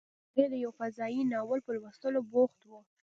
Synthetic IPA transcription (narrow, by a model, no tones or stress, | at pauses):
ed̪əjawfazɑjinɑwəlpəlwəst̪əloboxt̪wu